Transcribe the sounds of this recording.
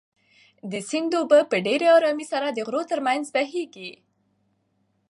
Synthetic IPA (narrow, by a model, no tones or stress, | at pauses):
d̪əsind̪obəpəɖeɾeaɾɑmisaɾad̪əɣɾot̪əɾmanzbaɦeɡi